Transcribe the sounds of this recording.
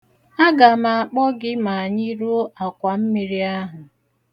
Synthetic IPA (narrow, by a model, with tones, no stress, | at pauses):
a˦ɡa˨ma˨a˨k͡pɔ˦ɡɪ˦ma˨a˨ɲɪ˦ɾu˦a˨kʷa˨m̩˦mi˨ɾi˦a˦ɦʊ˨